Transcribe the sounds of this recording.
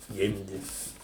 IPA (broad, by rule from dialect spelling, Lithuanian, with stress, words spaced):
ˈɡʲɪmʲdʲɪ